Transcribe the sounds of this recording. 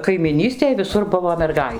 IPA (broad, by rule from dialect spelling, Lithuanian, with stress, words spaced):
kɐɪmʲɪˈnʲiːsʲtʲeːj ʋʲɪˈsʊr ˈbʊʋoː mʲɛrˈɡɐɪ